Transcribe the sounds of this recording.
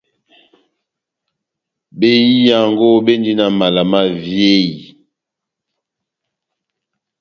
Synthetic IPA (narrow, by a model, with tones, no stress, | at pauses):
be˦ji˦ja˨ŋɡo˦be˦ndi˦na˨ma˨la˨ma˦vje˦i˨